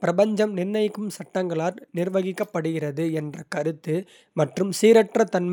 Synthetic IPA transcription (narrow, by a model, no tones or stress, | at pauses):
pɪɾɐbɐɲd͡ʒɐmnɪrnɐjkːɯmsɐʈːɐŋɡɐɭaːɾnɪrʋɐɣɪkːɐpːɐɽɯɣɪrɐðɯɛndrɐkɐɾɯt̪ːɯ | mɐʈrɯmsiːɾɐʈrɐt̪ɐnm